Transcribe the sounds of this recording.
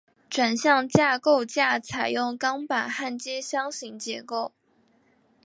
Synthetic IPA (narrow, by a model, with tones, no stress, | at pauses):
ʈ͡ʂwa˨˩nɕjɑ˥˧ŋt͡ɕja˥˧ko˥˧ʊt͡ɕja˥˩t͡sʰa˨˩ɪjʊ˥˩ŋkɑ˥ŋpa˨˩nxa˥˩nt͡ɕjɛ˥ɕjɑ˥ŋɕi˧˥ŋt͡ɕjɛ˧˥ko˥˩ʊ